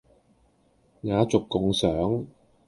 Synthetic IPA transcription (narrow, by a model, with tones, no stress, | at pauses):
ŋaː˨˧t͡sʊ˨kːʊ˧ŋsœː˨˥ŋ